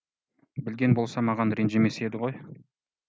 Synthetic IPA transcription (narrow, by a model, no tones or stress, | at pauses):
bɪlɡʲe̞nbo̞lˠsɑmɑʁɑnɾenʒeme̞se̞d̪ɪʁo̞j